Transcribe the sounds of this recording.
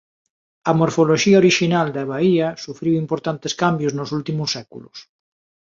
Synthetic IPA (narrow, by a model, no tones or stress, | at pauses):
ɐmoɾfoloʃiaoɾiʃinald̪aβaiɐsufɾiwimpoɾt̪ant̪eskambjoznʊsult̪imʊsːɛkṵlʊ̰s